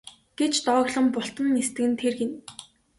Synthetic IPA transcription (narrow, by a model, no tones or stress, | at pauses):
ɡ̥et͡ɕt̪ɔːɣɮə̆mpʊɬt̪ə̆nːest̪ɘ̆ɣɘ̆nt̪ʰerxĕn